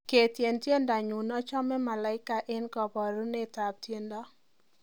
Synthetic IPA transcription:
ke˨tje˨ntje˦nda˨ɲu˨nɔ˦t͡ʃɔ˦mɛ˦ma˨la˨˦ɪ˦ka˨ʔɪ˦nkɔ˨bɔ˨ɾu˦ne˦ta˨p̚tje˦ndɔ˦

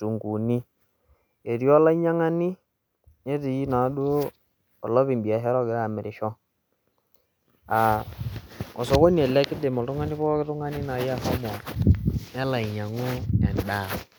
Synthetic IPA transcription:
tu˨ŋɡu˨ni˦ | e˨ɾjɔ˦la˦i˦ɲa˦ŋa˦ni˦ | ne˦ti˨ji˦na˨˦do˦ | ɔ˨lɔ˦βi˨mbi˨a˨ɦɛ˦ɾɔ˦ɡɛ˨˦a˨mɪ˨ɾɪ˨ʃɔ˦ | a˨ | ɔ˨sɔ˨ko˦n˨ɛ˨lɛ˦kɪ˦de˨mɔ˨tʊ˦ŋa˦ni˦pɔ˦kɪ˦tʊ˦ŋa˦ni˦na˨˦ja˦hɔ˦mɔ˨ | nɛ˦la˨i˨ɲa˨ŋu˦ɛ̰˨nda˦˨

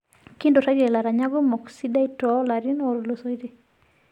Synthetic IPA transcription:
ki˦ndo˨ta˦ɾiɛ˨la˨ɾa˨ɲa˦ɡɔmɔ˨ksida˦itɔ˦laɾinɔɾloso˦iɾi˦

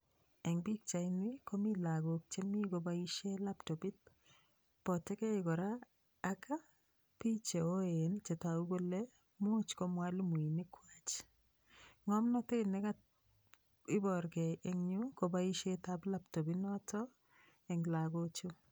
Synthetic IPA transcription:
ɛ˨ŋbi˦k̚t͡ʃa˨ɪni˦ko˦mi˦la˨ɡo˨k̚t͡ʃe˦mi˦ko˨bai˦ʃe˦la˦ptɔ˨bi˦t̚ | pɔ˨tɛ˦kɛ˦ɪkɔ˨ɾaː | ka˦ | pi˦t͡ʃe˨o˦e˨nt͡ʃɛ˨ta˨u˦ɡo˦lɛ | mʊ˦t͡ʃko˦mwa˦lmu˨i˨nɪ˦kwat͡ʃ | ŋɔ˦mnɔ˦te˦nɛ˦kat | ɪ˦bɔ˨ɾɡɛ˨ʔɛ˦ŋɲʊ˦ko˨baiʃe˦ta˦pla˦ptɔ˨bi˦nɔ˦tʰɔ˦ | ɛ˨ŋla˨ɡo˦t͡ʃu˦

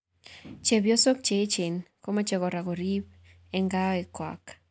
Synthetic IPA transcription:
t͡ʃe˨bjo˦so˦k̚t͡ʃe˨ɪ˦t͡ʃɪ˨nko˦ma˦t͡ʃe˨kɔ˨ɾa˨ko˨ɾi˦p | ɛ˦ŋɡaɛ˨kwa̰k

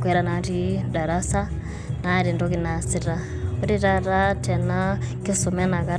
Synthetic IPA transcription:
kwɛ˦ɾa˦na˨ɾi˦da˨ɾa˦sa˦ | na˨˦˨ɾi˨ndɔ˦ki˦na˨si˦˨ɾa˦ | u˦ɾi˦ɾa˦ɾa˦tɛ˨na˦ki˦su˨mɛ˦na˨ka˦

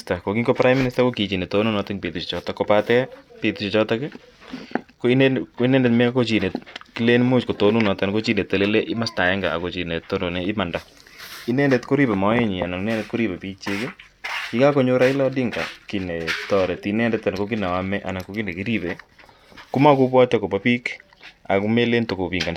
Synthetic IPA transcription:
ta˨ko˨ki˦ŋɡo˦pɾa˦jmːi˦ni˦sta˦ko˦ki˨t͡ʃi˨ne˨to˦nu˦nɔ˦tɪ˦ŋpe˨tu˨t͡ʃi˨t͡ʃɔ˨ta˨kopatɛ˦pi˨tu˨t͡ʃit͡ʃɔ˦takɪ˦ | koi˦nkoi˦nɛ˦nde˨tmɛ˦a˦ko˦t͡ʃi˨ne˨t̚ki˦le˦nmu˦t͡ʃko˨to˦nu˦nɔ˨te˦nko˦t͡ʃi˦ne˨te˨le˦le˦ʔɪ˦ma˦sta˨ɛ˦ŋɡa̰a̰˨ko˨t͡ʃi˨ne˨t̪ːo˦no˨ne˨ɪ˦ma˨nda˨ | i˦ne˦nde˦tko˦ɾi˦pe˨mɔ˨˦e˦ɲi˨a˨na˨ŋi˦nɛ˦ne˦t̚ko˦ɾi˦pe˨pi˦t͡ʃi˦kɪ˦ | i˦ka˦ko˨˦ɲo˦ɾa˦i˦lɔ˦di˦ŋɡa˨ki˨ne˨tɔ˨ɾe˨ti˦nɛ˦ndɛ˦t̪ːa˨n˨ko˦k̬i˦na˨wa˦mɛ˦ʔa̰˨na˨ko˦ki˦ne˨ki˦ɾi˦pe˨ | ku˦ma˦ku˦pwa˦t͡ʃa˦ko˨pa˦pi˦k | a̰˨ku˦me˦le˦nto˨ko˨pi˨ŋɡa˨n

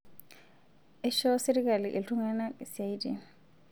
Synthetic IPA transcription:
ɛ˦ʃɔ˦se˦ɾi˦k̬ʼa˨li˨ʔe˨ɬu˦ŋa˦na˦˨sa˦i˦dḭ˨

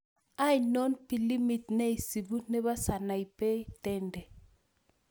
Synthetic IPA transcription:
a˦i˨nɔ˦npi˨li˦mi˨tne˦i˨si˨bu˦nɛ˦βa˦sa˨na˨i˨pɛ˦i˦tɛ˦ndɛ˨

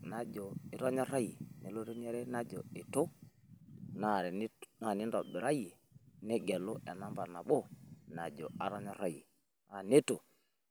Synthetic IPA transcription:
na˦d͡ʒo˨i˨ɾo˦ɲɔ˦ɾa˦jḭ˨ni˨lo˦ɾo˦ɲe˦ɾɛ˦na˦d͡ʒo̰˨i˨to˦ | na˦˨ɾn˦na˨ni˦ndɔ˨bi˨ɾa˦ji˨ | nɛ˦ɡɛ˨lo˦ʔɛ˨na˦mba˨na˨ɓo˦na˨d͡ʒo˨a˨ɾo˦ɲɔ˦ɾa˦ji˨ | a˨ne˦to˨

